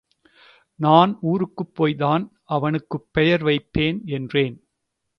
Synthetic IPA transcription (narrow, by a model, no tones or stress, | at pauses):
naːnuːɾɯkːɯpːoːjðaːn | ɐʋɐnɯkːɯpːɛjɐɾʋɐɪpːeːnɛndreːn